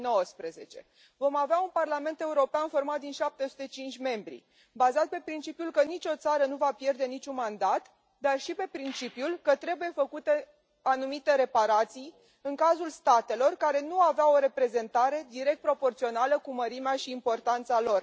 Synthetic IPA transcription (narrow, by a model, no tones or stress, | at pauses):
no̞wəspɾeze̞t͡ʃe̞ | vo̞maveaunparlame̞nt̪e̞uɾo̞peanfo̞rmat̪d̪inʃap̚t̪e̞su̥t̪et͡ʃint͡ʃʲme̞mbɾḭ | bazat̪̚pe̞pɾint͡ʃipjulkənit͡ʃʲo̞t̪saɾənuvapje̞rd̪e̞nit͡ʃʲunmand̪at̪ | d̪arʃipe̞pɾint͡ʃipjulkət̪ɾe̞buje̞fəkut̪e | anumit̪e̞ɾe̞paɾat̪sij | ɨŋkazulst̪at̪e̞lo̞rkaɾe̞nuaveaoɾe̞pɾe̞ze̞nt̪aɾe̞d̪iɾe̞k̚t̪pɾo̞po̞rt̪sio̞naləkuməɾimeaʃiːmpo̞rt̪ant̪salo̞r